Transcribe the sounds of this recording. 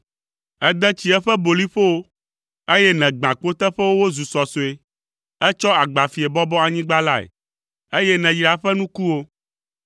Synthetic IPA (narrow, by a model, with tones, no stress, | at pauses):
ɛ˦d̪ɛ̃˦t͡ɕi˦ɛ˦ɸɛ˦bo˨li˦ɸo˦wo˦ | e˦jɛ˦nɛ̃˨ɡ͡bã˨k͡po˦t̪ɛ˦ɸɛ˦wo˦wo˦zu˨sɔ˨so˨e˨ | ɛ˦t͡ʃɔ˦a˨ɡ͡ba˨fi˨ɛ˨bɔ˦bɔ˦a˨ɲĩ˦ɡ͡ba˦la˦˨ḛ˨ | e˦jɛ˦nɛ̃˨jɾa˨ɸɛ˦nũ˦ku˦wo˦